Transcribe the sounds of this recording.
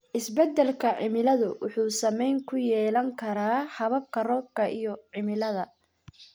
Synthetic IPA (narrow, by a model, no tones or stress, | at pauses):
ʔɪsbɛd̪ːɛlkʰɐʕɪmɪlɐðʊwʊħuːsɐmɛjŋkʰʊjɛːlɐŋkʰɐɾaːhɐβɐkʰːɐrɔːbkʰɐʔijɔʕɪmɪlɐðɐ